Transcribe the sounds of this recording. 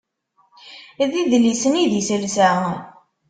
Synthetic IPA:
ðiðlisəniðjəsəlsæʁ

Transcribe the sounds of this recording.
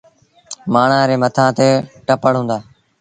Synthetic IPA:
maːɳãːɾeːmət̪ʰãːt̪eːʈəpəɽ̤ɦũːnd̪aː

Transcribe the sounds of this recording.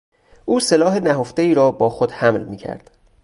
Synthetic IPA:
ʔuːse̞lɒːɦe̞næɦo̞ft̪e̞iːɾɒːbɒːxod̪̥hæmlmiːcʰæ̰ɾd̪̥

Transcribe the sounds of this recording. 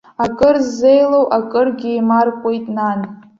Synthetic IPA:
akʼɨrzːejlowʔakʼɨrɡʲɪimarkʷʼojtʼnan

